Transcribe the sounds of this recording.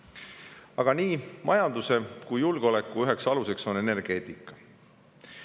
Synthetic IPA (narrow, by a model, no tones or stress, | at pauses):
ɑɡ̥ɑniːmʔɑjɑnd̪̥use̞kujjulɡ̥eo̞le̞kˑːuyɦe̞ksɑluse̞kso̞ne̞ne̞rɡ̥e̞ːt̪ˑikˑːɑ̥